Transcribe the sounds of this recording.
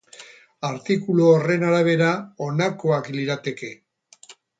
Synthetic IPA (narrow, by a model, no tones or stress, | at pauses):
aɾt̪ikuloːre̞naɾaβe̞ɾaonako̞akliɾat̪e̞ke̞